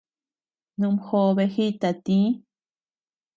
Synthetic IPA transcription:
nũ˧mxo˧βe˧xi˦t̪a˨t̪i˦

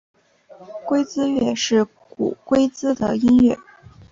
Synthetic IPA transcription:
kwe˥ɪt͡sɹ̩˥ɥɛ˥˧ʂɻ̩˥˩ | kṵ˨˩kwe˥ɪt͡sɹ̩˥d̪ə˨i˥ŋɥɛ˥˩

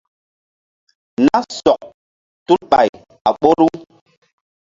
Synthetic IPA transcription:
na˦sɔ˨k̚ | tu˦t̚ɓa̰˨j | a˨ɓo˦ɾu˦

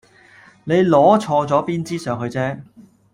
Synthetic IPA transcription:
ne˨˧jlɔː˨˥t͡ʃʰɔː˧t͡sɔː˨˥piː˥nt͡siː˥sœː˨˧ŋɦɵ˧ɥt͡sɛː˥

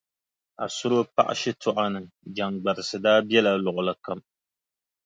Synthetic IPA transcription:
a̰˨sʊ˦ɾo˦pa̰˦ʔa̰˦ʃɪ˦tʰʊ˦ʔa˦nɨ˨ | d͡ʒa˨ŋɡ͡ba˨ɾɨ˨sɨ˨daː˦bɛ˦la˨lʊ˨ʔʊ˨la˨ka˦m

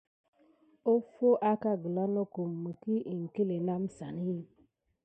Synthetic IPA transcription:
o˦fo˦ʔa˦ka˦˨ɡu˨la˦no˦ko˨m̩ː˨u˨ki˦ʔi˨ŋ̩˨ke˦le˨na˦m̩˦sa˨ni˦

